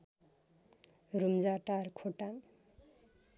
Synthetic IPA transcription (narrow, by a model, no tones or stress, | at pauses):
rumd͡zaʈarkʰoʈaŋ